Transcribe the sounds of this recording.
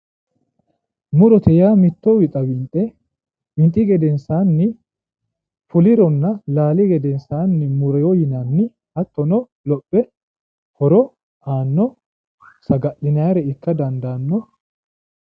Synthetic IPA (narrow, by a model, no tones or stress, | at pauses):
mʊɾɔt̪ɛjaːmɪt̪ːɔwɪt̪ʼɐwɪnt̪ʼɛ | ɪnt̪ʼːɪɡɛd̪ɛnsaːnːɪ | fʊlɪɾɔnːɐlaːlɪɡɛd̪ɛnsaːnːɪmʊɾɛjɔjɪnanːɪ | hɐt̪ːɔnɔ | lɔpʼːɛ | hɔɾɔ | aːnːɔ | sɐɡɐʔɪnɐjɾɛɪkːɐd̪ɐnd̪aːnːɔ